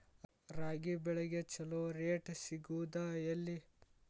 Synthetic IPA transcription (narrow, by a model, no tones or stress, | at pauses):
ɾaːɡibɛɭeɡet͡ʃɐloɾeːʈsiɡud̪aɐlːi